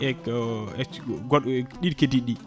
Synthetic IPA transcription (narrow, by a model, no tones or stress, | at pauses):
ɛɛɡɔɗɗidkediɗi